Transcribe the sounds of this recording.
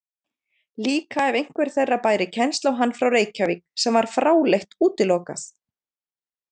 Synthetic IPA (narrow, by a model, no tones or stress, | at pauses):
liːkaɛvejŋ̥kvɛɾ̥θejrːapaːjɾɪcʰɛnst̪lawɦanːfɾawreːjcaviksɛmvaɾ̥fɾaːwleht̪uːt̪ɪlɔːka̰θ